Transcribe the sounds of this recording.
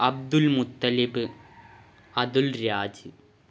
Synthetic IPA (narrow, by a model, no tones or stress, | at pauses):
ɐb̚d̪ulmʊt̪ːɐlibɨ | ɐðulɾaːd͡ʑɨ